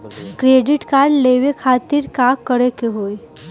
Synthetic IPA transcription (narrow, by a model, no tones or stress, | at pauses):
kɾeɖɪʈkaɾɖleʋekʰaːt̪iɾkakːəɾekeɦoːj